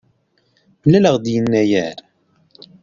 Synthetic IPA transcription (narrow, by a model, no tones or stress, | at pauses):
mlːæləʁd̪jənːæjæɾ